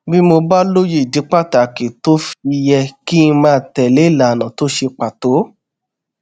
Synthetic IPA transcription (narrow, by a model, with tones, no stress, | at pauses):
bi˦mo˧ba˦lo˦ji˦˨di˨˦k͡pa˦˨ta˨ki˨to˦fi˧jɛ˧ki˦˧mãː˦˨tɛ˨le˨˦˨la˨nã˨to˨˦ʃe˧k͡pa˨to˨˦